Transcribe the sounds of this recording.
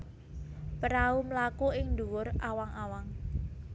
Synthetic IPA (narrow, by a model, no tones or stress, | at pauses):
pəɾaumlakuɪŋnd̪uwʊrawaŋawaŋ